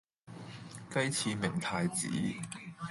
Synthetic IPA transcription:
kɐ˥jt͡sʰiː˨˧mɪ˨˩ŋt̪ʰaː˧jt͡sḭː˨˥

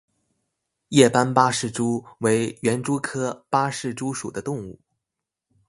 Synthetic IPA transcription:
jɛ˥˩pa˥npa˥ʂɻ̩˥˩ʈ͡ʂu˥we˧˥ɪɥɛ˧˥nʈ͡ʂu˥kʰɤ˥pa˥ʂɻ̩˥˩ʈ͡ʂu˥ʂu˨˩d̪ə˦t̪ʊ˥˧ŋu˥˩

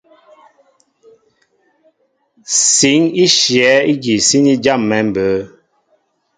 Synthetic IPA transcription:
si˨˦ŋi˦ʃjɛ˨˦i˦ɡi˨si˦ni˦d͡ʒa˦˨mːɛ˨˦m̩˨bə˨˦

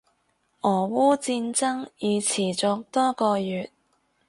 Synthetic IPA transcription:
ʔɔː˨˩wuː˥t͡siː˧nt͡sɐ˥ŋjiː˨˧t͡sʰiː˨˩t͡sʊ˨˧k̚t̪ɔː˥kɔː˧jyː˨t̚

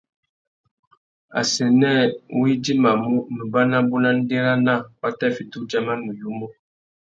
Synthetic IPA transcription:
a̰˨se˨nɛ˦˨wi˦di˦ma˨mu˦nə˨ba˦na˦bu˦na˦n̩˦de˦ɾa˦na˦˨wa˦tɛ˦˨fi˨tu˦d͡ʒa˦ma˦nu˨ju˦mo˦

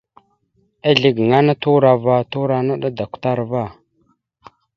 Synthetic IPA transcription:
a˦ɮi˦ɡŋa˦na˦tu˦ɾa˨va˦tu˦ɾa˨na˦ɗa˦da˨kʷta˦ɾva˦˨

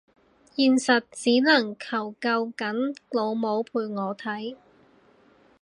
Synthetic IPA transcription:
jiː˨nsɐ˨t̚t͡siː˨˥nɐ˨˩ŋkʰɐ˨˩wkɐ˧wkɐ˨˥nlo˨˧wmo˨˧wpʰuː˨jŋɔː˨˧t̪ʰɐ˨˥j

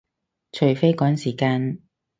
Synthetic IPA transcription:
t͡ʃʰɵ˨˩fe˥jkɔː˨˥ŋsiː˨˩kaː˧n

